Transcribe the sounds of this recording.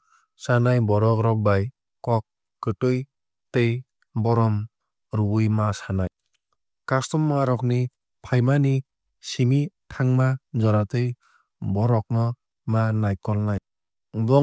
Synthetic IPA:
sanajbɔɾɔkɾɔk̚baj | kɔk̚ː | ɯtɯj | tej | bɔɾɔm | ɾuɯjmasanaj | kastɔmːaɾɔk̚ni | pʰajmani | simitʰaŋmad͡ʒɔɾatɯj | bɔɾɔk̚nɔ | manajkɔlnaj | blɔ

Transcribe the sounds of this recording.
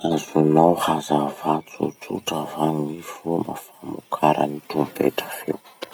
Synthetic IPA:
azunawhazavat͡sṵt͡sṵʈ͡ʂavaŋnifuma̰famukʰaɾə̰nit̪umpḛʈ͡ʂḁfew

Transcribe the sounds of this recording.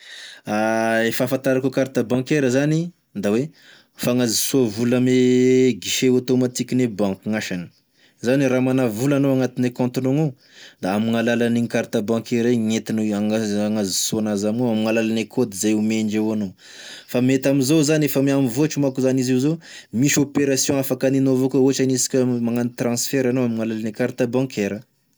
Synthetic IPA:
aefafãnt̪aɾakukaɾt̪abãkeɾəzani | d̪awe | faŋazisuavuləmeɡiʃeot̪omat̪ikʲinebãŋkuŋaʃanə̥ | zaniramanavulanoaŋat̪inekɔ̃nt̪inono | d̪aamiŋalalaniŋikaɾt̪abãŋkeɾeŋet̪inoaŋaaŋazi̥soanazamioamiŋalalanekʰod̪izajumeɳd͡ʒewano | famet̪aminzozanefəmiamivoat͡ʃimakuzaniziwzomisopeɾasjɔ̃afakaninovokoot͡ʃanisi̥kʲəmaŋanit̪rɑ̃sfɛɾanoamiŋalalanikaɾt̪abãkʰeɾə

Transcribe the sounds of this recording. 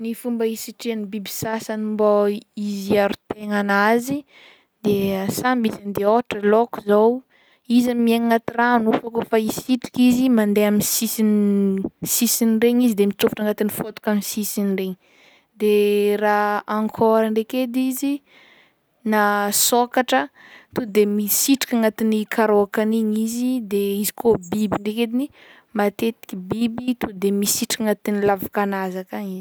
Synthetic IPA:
nifumbəisiʈ͡ʂianibibi̥sasanimboiziaɾut̪eŋanazi | d̪̥easambisand̪eoʈ͡ʂəloku̥zow | izamieŋŋat̪iranufakofaisiʈ͡ʂi̥kizimand̪eaminsisin | sisinreɲizid̪emit͡sufi̥ʈ͡ʂaŋɡat̪inifot̪u̥kamisisinreɲi | d̪eraaŋkʰɔɾəɳɖ͡ʐeked̪izi | nasokaʈ͡ʂət̪ud̪emisiʈ͡ʂi̥kʲaŋɡat̪inikʰaɾoakaniɲizid̪eizi̥kobibiɳreked̪ini | mat̪et̪i̥kʲibibit̪ud̪emisiʈ͡ʂḁkaŋat̪inilavakanazakaŋiz

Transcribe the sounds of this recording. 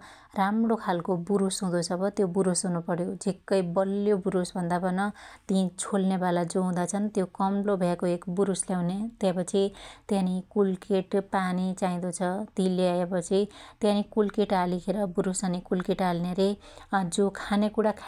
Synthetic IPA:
ramɽokʰalkobuɾusɦũd̪ot͡sʰʌbʌt̪jobuɾusɦũnupʌɾjod͡zekːʌjbʌljobuɾusbʱʌnd̪abʱʌnʌt̪iĩt͡sʰolnebalad͡zoɦũd̪at͡sʰʌnt̪jokʌmlobʱakoekbuɾusljawnet̪jãpʌt͡sʰit̪jãnikulkeʈpanit͡saĩd̪ot͡sʰʌt̪ĩleaepʌt͡sʰit̪jãnikulkeʈalikʰeɾʌbuɾusʌnikulkeʈalneɾe | d͡zokʰanekuɽakʰ

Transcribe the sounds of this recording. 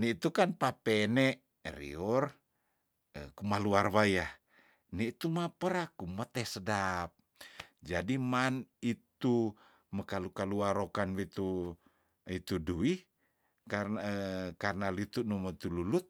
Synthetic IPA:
niit̪ukanpapɛnɛ | rḭɔr | əkumaluarwajah | nɛit̪umapəɾakumət̪ɛsədap̚ | d͡ʒadimanit̪u | məkalukaluaɾokanwit̪u | it̪udui | kaəkarnalit̪unumət̪ululut̪̚

